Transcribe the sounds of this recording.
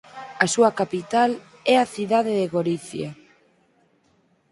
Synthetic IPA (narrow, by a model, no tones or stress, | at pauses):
asuakapit̪al | ɛaθiðaðeðeɣoɾiθja